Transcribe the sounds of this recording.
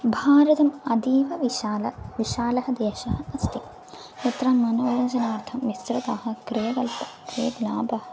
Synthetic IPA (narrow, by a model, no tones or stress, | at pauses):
bʱaːɾɐt̪ɐmɐd̪iːʋɐʋlɐʋiʃaːlɐɦɐ̆d̪eːʃɐɦɐɐst̪ʰi | jɐt̪ɾɐːmːɐnɐːjɐnd͡ʒɐnaːɾt̪ʰɐmːist̪ɾɐt̪aːɦɐ̆kɾijɐkɐlpɐ̥kɾijɐb̪ulaːbɐɦɐ